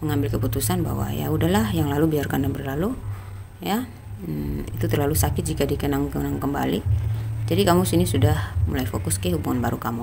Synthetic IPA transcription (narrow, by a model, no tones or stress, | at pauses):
məŋambɪlkəput̪usanba̰wa̰ja̰udaɦlahjaŋlalubiarkandanbərlalu | ja | ḭt̪ut̪ərlalusakɪt̪̚d͡ʒikadikənaŋkənaŋkəmba̰lid͡ʒadikamusinisudahmṵlajfokʊskahubuŋanbaɾukamu